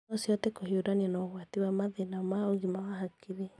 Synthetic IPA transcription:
ɔsjɔtɛkohioɾanianɔɣwatiwamaðenamaoɣimawahakʰiɾe

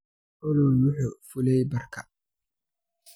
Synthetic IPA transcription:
ʔʊlɔwʊħʊfʊlɛjbɐrkʰɐ

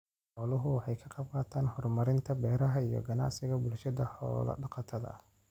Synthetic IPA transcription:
ħɔːlʊɦʊwɑħɑjkʰɐqɑb̚qɑːt̪ʰaːnhɔrmɐɾɪnt̪ʰɐbɛːɾɐɦɐijɔ̰ɡɐnɑ̰ʕsɪɣɐbʊlʃɐðɐħɔ̰ːlɐ̰ɖɑqɑt̪ʰɐðɐ̰

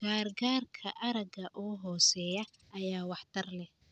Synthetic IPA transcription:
ɡ̥aːrɡaːrkʰɐʔɐɾɐɡɐʔuɦɔːsɛːjɐ | ʔɐjaːwɑħt̪ʰɐrlɛh

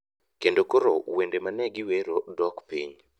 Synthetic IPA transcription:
kendokoɾowendemanɛɡɪweɾodɔkpiɲ

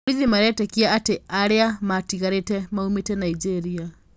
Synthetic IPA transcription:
ɾiðimaɾɛtɛkiaateaɾeamatiɣaɾetɛmaumetɛnaid͡ʒɛɾia

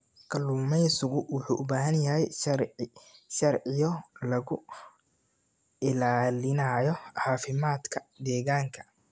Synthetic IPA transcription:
kʰɐlumɛjsʊɣʊwʊħuːʔʊbaːɦɐnjɐɦɛj | ʃɐrʕɪjɔlɐɣʊ | ɪlaːlɪnajɔʕɑːfɪmaːd̪kʰɐd̪ɛːɣaːŋkʰɐ̥

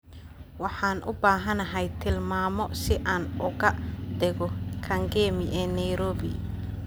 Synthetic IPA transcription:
wɑħɑːnʔʊbaːɦɐnɐɦɛjt̪ʰɪlmaːmɔsɪʔaːnʊɣɐd̪ɛɣɔkʰɐŋɡɛːmɪʔɛːnɐjɾɔːbɪ

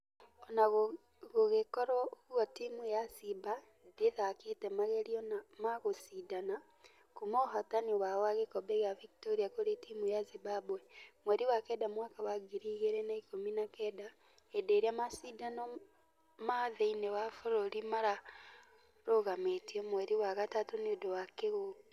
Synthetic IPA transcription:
ɔnaɣ | ɣoɣekɔɾɔɣuɣɔtimujasiba | ndeðaketɛmaɣeɾiɔnamaɣosidana | komoɦataniwawaɣekɔbɛɣaviktoɾiakoɾetimujazibabwɛmwɛɾiwakɛdamwaːkawaɡiɾiɣeɾɛnaikominakɛːda | edeːɾeamasidanɔ | maðeinewafoɾoɾimaɾa | ɾoɣametiɔmwɛɾiwaɣatatoneodowakeɣo

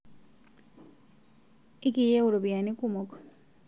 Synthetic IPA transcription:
ikijeuɾubianikumok

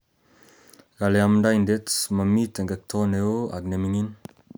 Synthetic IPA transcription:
ɡaleamdajndetsmamit̪əŋɡək̚t̪ʰɔneoa̰ɡnemiŋin

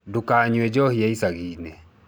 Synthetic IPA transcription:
dukaɲɛd͡ʒɔhiaisaɣinɛ

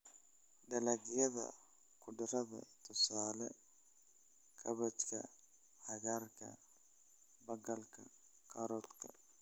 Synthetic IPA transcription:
ɖɐlɐɡɪjɐðɐ̰ | kʰʊɖɪɾɐðɐ̰t̪ʰʊsaːlɛ | kʰɐβɐt͡ʃkʰɐ̰ | hɐɣarkʰɐ̰ | bɐɡɐlkʰɐ | kʰɐɾɔːt̪kʰɐ̰

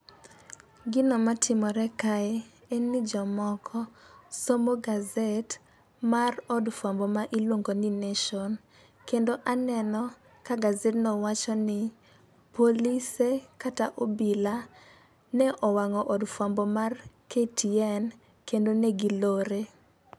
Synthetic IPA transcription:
ɡɪnɔmatʰɪmɔɾɛkaɛ | ennːɪd͡ʒɔmɔkʰɔsomoɡazet | marɔdfambɔmaʔilwoŋɡonɪneʃɔn | kendoʔanɛnɔ | kaɡazetnɔwat͡ʃɔnɪ | polisekataʔobila | nɛʔɔwaŋɔʔɔdfambɔmarketiɛn | kendoneɡiloɾe

